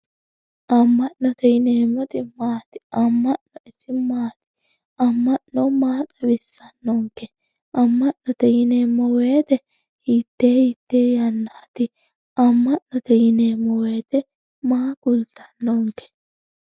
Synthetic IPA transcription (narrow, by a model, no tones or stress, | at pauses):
ʔɐmːɐʔnɔt̪ɛjɪneːmːɔt̪ɪmaːt̪ɪ̥ɐmːɐʔnɔɪsɪmaːt̪ɪ̥ | ɐmːɐʔnɔmaːt̪ʼɐbɪsːɐnːɔŋkɛ | ʔɐmːɐʔnɔt̪ɛjɪneːmːɔweːt̪ɛ | hit̪ːeːhɪt̪ːeːjɐnːaːt̪ɪ | ʔɐmːɐʔnɔt̪ɛjɪneːmːɔweːt̪ɛ | maːkʊlt̪ɐ̥nːɔŋkɛ̥